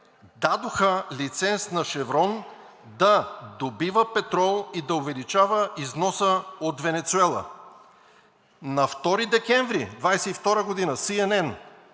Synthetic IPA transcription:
d̪ad̪oxəlit̪sɛnsnɐʃɛvɾɔn | d̪ɐd̪obivəpɛt̪ɾɔlˠid̪ɐʊvɛlit͡ʃavəʔiznɔsəot̪vɛnɛt̪suɛlˠə̰ | nɐft̪ɔɾid̪ɛkɛɱvɾid̪vajsɛift̪ɔɾəɡod̪inəsiɛnɛn

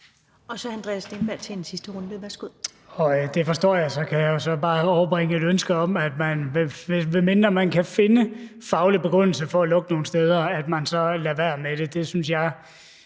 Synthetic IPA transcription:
ɒ̽sɒænd̥ʁɛ̰sd̥enb̥æɐ̰t͡sʰeensisd̥əʁɔnd̥əʋæsɡ̥oð̰ˠ | ɒ̽d̥e̝fɒ̽sd̥ɒ̰ːjɑ̈ɪsɒ̽kʰæjɑ̈josɒ̽b̥ɑ̈ːɒʊɐb̥ʁeŋəe̝ɾønsɡ̥əɒ̽mæd̥mænʋeʋe̝me̝nd̥ɐmænkʰæfe̝nəfɑ̈ʊlib̥e̝ɡ̥ʁɔn̰l̩səfɒ̽ælɔ̽ɡ̥əno̝ːn̩sd̥eːð̞ˠɐæd̥mænsɒ̽læʋæɐ̰med̥e̝d̥e̝synsjɑ̈ɪ

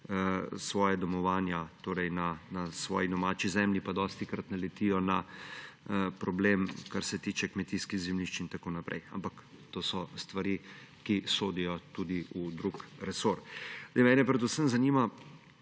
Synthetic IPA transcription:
sʋɔːjad̪ɔmɔʋaːnjat̪oːɾɛjnanasʋɔ̰ːjid̪ɔmaːt͡ʃizɛmlipad̪ɔːst̪ikɾat̪nalɛt̪iːjɔna | pɾɔblemkaɾsɛt̪iːt͡ʃɛkmɛt̪iskiɣzɛmliʃt͡ʃint̪akoːnapɾʔɛ̰ja̰mpak | t̪oːsɔst̪ʋaɾikisoːd̪ijɔt̪ud̪iud̪ɾukɾɛsoɾd̪ɛmɛːnɛpɾɛd̪usəmzanima

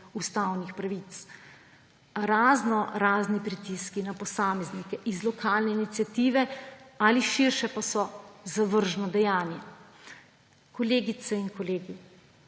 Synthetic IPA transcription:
ust̪awnixpɾaʋit̪s | ɾaːznɔɾaːznipɾit̪iskinapɔsaːmɛznikɛʔizlɔkʰaːlnɛinit̪sjat̪iːʋɛaliʃiɾʃɛpasɔzaʋəɾʒnɔd̪ɛjaːnjɛ | kɔleːɡit̪sɛinkɔleːɡi

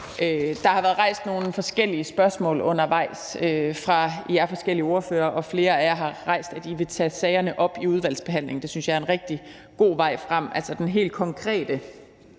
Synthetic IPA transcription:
ʔød̥ɑ̈hɑ̈ʋæːɐð̞̩ˠʁɑ̈ɪ̰sd̥no̝ːn̩fɒ̽sɡ̥el̰iəsb̥ɶɐsmɔ̰̽ːlɔ̽n̰ɐʋɑ̈ɪ̰søfʁɑ̈iæɐfɒ̽sɡ̥el̰iəo̝ɐføːɐʔɒ̽fle̝ːɐæjɑɦɑ̈ʁɑ̈ɪ̰sd̥æd̥iʋe̝t͡sʰɛsɛːɪɐnəʔɒ̽b̥iuð̞ˠʋæl̰sb̥e̝ɦæn̰le̝ŋnd̥e̝synsjɑ̈æɐenʁɛɡ̥̚d̥i | ɡ̥o̝̰ːʋɑ̈ɪ̰fʁam̰ælsɒd̥enɦe̝̰ːld̥̚kʰɒ̽ŋkʰʁɛ̰ːd̥ə

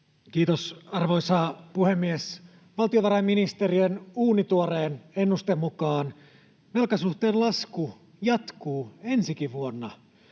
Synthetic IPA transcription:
k̟iːt̪osɑrʋo̞jsɑːpuhe̞mːies | ʋɑlt̪ioʋɑɾɑjmːinist̪e̞riønuːnit̪uoɾeːnenːust̪emːukɑːn | ʋelkɑsuht̪eːllɑsku | jɑt̪kuːe̞nsikiʋuonːɑ

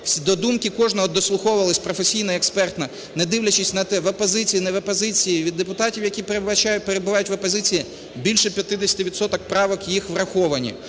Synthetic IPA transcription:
sʲd̪ɔd̪umkʲɪkɔʒnɔɦɔd̪ɔslˠʊxɔʊʋɐlˠɐsʲpɾɔfesʲijnɐɛkspɛrt̪nɐ | nɛd̪ɪwlʲɐt͡ʃɪsʲnɐt̪ɛʋɐpɔzɪt͡sʲijinɛʋɐpɔzɪt͡sʲijiʋʲid̪ːepʊt̪ɑtʲiwjɐkʲipɐt͡ʃapeɾebʊʋɑjʊtʲʋɐpɔzɪt͡sʲiji | bʲilʲʃɛpʲjɐt̪ɪd̪esʲɐt̪ɪʋʲid̪sɔt̪ɔk̚pɾɑʋɔkjixʋrɐxɔʋɐnʲḭ

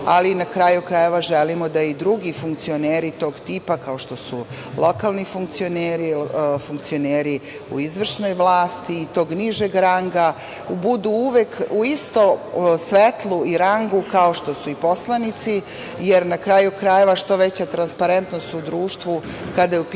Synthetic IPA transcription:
alinakɾajukɾaje̞ʋaʒelimod̪aid̪ɾuɡifuŋkt̪sio̞neːɾit̪o̞ːɡt̪iːpakao̞ʃt̪o̞su | lˠʔo̞kalˠnifuŋkt̪sio̞neːɾifuŋkt̪sio̞neːɾi | ṵizʋr̩ʃno̞jʋlˠaːst̪iːt̪o̞ːɡniʒeɡɾaŋɡa | bud̪uuʋekuist̪o̞sʋet̪lˠuiɾaŋɡukao̞ʃt̪o̞suipo̞slˠanit̪si | jeɾnakɾaːjukɾajeʋaʃt̪o̞ʋet͡ɕat̪ɾanspaɾe̞nt̪no̞st̪ud̪ɾuːʃt̪ʋu | kad̪ajup

